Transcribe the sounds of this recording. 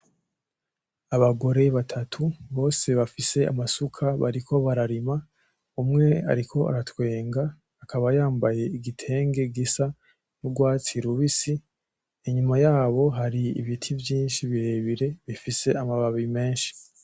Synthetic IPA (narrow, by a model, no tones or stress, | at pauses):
aβaɡo̞ɾe̞βatʰatʰuβo̞ːse̞βafise̞a̰masukʰaβa̰ɾikʰo̞βaɾaɾima | umŋe̞a̰ɾikʰo̞a̰ɾatwe̞ːŋɡaː | kʰaβajaːmbaje̞iɡitʰe̞ːŋɡe̞ɡisa | nuɡwaːt͡siɾuβisi | iɲumajaːβo̞ɦaɾiḭβitʰivjiːnʃiβiɾe̞βiɾe̞βifise̞amaβaβime̞ːnʃi̥